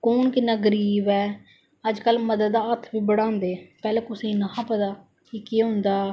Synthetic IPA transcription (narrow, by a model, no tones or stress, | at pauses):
koːnkɪnːaːɡəɾiːbɛː | əd͡ʒkəlməd̪əd̪ːaːət̪ʰʋiːbəɽãːnd̪eːpɛːlɛ̃ːkʊsẽnaːpəd̪aː | kikeːɦʊ̃nd̪aː